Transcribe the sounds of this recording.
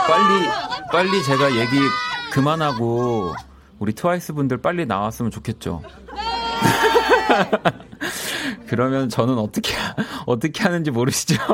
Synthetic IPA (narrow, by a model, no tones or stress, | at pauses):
p͈aʎːip͈aʎːit͡ɕe̞ɡaje̞ɡikɯmanɦaɡo | uɾitʰɯwais͈ɯbundɯɭp͈aʎːina̰was͈ɯmɯnt͡ɕokʰe̞t̚t͡ɕ͈o̰ | kɯɾʌmjʌnt͡ɕʌnɯnʌt͈ʌkʰeʌt͈ʌkʰe̞ɦanɯnd͡ʑimoɾɯɕʰi̥d͡ʑo